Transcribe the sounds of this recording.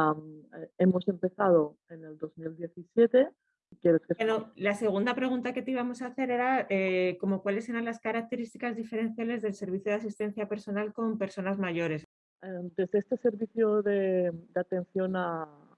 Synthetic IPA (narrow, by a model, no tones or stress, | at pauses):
me̞mo̞se̞mpe̞θað̞o̞ | e̞ne̞ld̪o̞zmild̪je̞θisje̞t̪e̞ | ikjeɾeskeenolase̞ɣ̞und̪apɾe̞ɣ̞unt̪ake̞t̪iβamo̞saːθe̞ɾe̞ɾaeko̞mo̞kwale̞s̬e̞ɾanlaskaɾak̚t̪e̞ɾist̪ikazðife̞ɾẽ̞n̟θjale̞zðelse̞ɾβ̞iθjoð̞as̬ist̪e̞n̟θjape̞ɾso̞nalko̞mpe̞ɾso̞nazmaʝo̞ɾe̞s | ed̪e̞zðeest̪e̞se̞ɾβiθjoðe̞d̪eat̪ẽ̞nθjo̞na